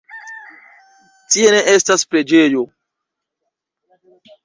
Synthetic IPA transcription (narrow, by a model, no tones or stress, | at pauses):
tiene̞ʔestaspɾe̞d͡ʒe̞jo̞